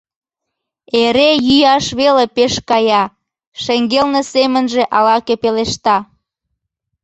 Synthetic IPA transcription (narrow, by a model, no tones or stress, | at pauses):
eɾejyjɑʃβelepeʃkɑjɑ | ʃeŋɡelnesemənʒeʔɑlɑkepeleʃt̪ɑ